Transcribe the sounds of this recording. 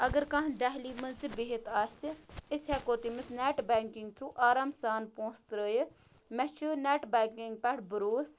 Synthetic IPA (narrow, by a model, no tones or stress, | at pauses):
ɐɡəɾkãɦnɖaɦliːmɐzt̪ibeɦɪt̪aːsɪshɛːkoːt̪imɪsnɛʈbɛ̃ːŋkɪ̃ŋɡt̪ʰɾuːʔaːɾaːmsaːnpõːst̪ɾəjə | mɛt͡ʃʰənɛːʈbɛːŋkɪŋɡ̚pɛɽbəɾoːs